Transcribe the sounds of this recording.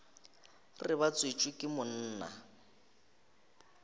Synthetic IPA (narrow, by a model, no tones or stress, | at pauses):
rɪβat͡sʼwit͡ʃʼʊkʼɪmʊn̩ːna̰